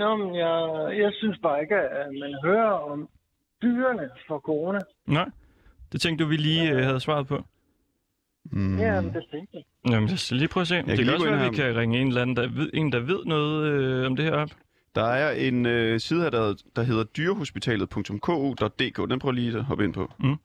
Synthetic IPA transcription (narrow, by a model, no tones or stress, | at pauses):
nɔmenjajɑɪsynsb̥ɑ̈ːe̝ɡ̥əæmænɦøːɐɒm | b̥yːɐnəfɒkʰoʁonæ | nɑ̈ɪ̰ | d̥e̝t͡sʰeŋɡ̥̚uʋiliːøhæð̞̩ˠsʋɑ̰̈ð̩ˠpʰɒ̽ | æmd̥et͡sʰeŋɡ̥ja | næmənjæseliːpʰʁɒs̬ḛ̥ːɒ̽sæʋikʰæʁɛŋəe̝nlænn̩d̥ɑʋeð̰ˠe̝̰ːn̩d̥ɑ̈ʋe̝ð̞̰ˠnɔ̽ːð̩ˠøɒ̽md̥e̝heɐ̰ɒ̽b̥ | d̥ɑ̈æɐʔe̝nøsiːðˠhæɐd̥æd̥ɑ̈ɦe̝ð̰ˠɐd̥yːɐɦo̝sb̥it͡sʰɛ̰ːlð̩ˠpʰɔ̽ŋt͡sʰɔ̽mkʰɔ̰ːo̝ːd̥ɒ̽d̥̚ːe̝̰ːkʰɔ̰ːd̥enb̥ʰʁɔɐliːd̥eɦɒ̽b̥əe̝npʰɒ̽